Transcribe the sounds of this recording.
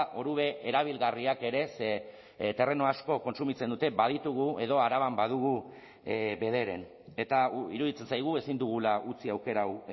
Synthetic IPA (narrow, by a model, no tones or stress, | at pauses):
ʔo̞ɾuβe̞ʔeɾaβ̞ilɣariake̞ɾe̞se | t̪e̞re̞no̞asko̞ko̞nsumit͡send̪ut̪e̞baðit̪uɣ̞ue̞ðo̞aɾaβambað̞uɣu | be̞ð̞e̞ɾe̞̰n | e̞t̪aḭɾuðit͡se̞nsajɣ̞ue̞sind̪uɣ̞ulaʔut͡siawke̞ɾaw